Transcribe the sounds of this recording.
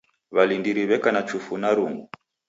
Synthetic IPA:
βalindiɾiβɛkanat͡ʃufunaɾuŋɡu

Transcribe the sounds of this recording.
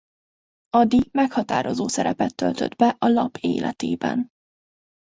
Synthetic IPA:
ɒd̪imɛkhɒt̪aːɾo̞zoːsɛɾɛpɛt̪ːølt̪ød̪bɛʔɒlɒpʰeːlʔɛt̪eːbɛn

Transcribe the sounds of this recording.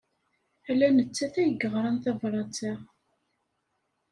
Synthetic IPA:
ælːænət͡sːæθæjəɡəʁɾˤɑnθævɾˤɑt͡sæʁ

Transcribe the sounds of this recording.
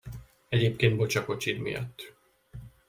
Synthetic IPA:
ɛɟeːpkeːnd̪bo̞t͡ʃɒko̞t͡ʃid̪mḭjɒ̰t̪ː

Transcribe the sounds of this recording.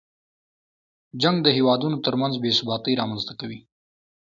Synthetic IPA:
d͡ʒaŋɡd̪əɦewɑd̪unot̪əɾmanzbesʊbɑt̪əjɾɑmanzt̪akawi

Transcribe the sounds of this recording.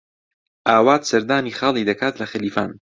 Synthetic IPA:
ʔaːwaːt̪sɐɾd̪aːniːxɑːlˠiːd̪ɐkʰaːt̪lɐxɐliːfa̰ːn

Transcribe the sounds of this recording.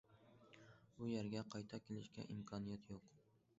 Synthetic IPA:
bʊjaɾɡʲaqʰɑjt̪ʰɒkʲʰelɪʃkʲa̰ʔɪmkʰɒnijat̪ʰjoq

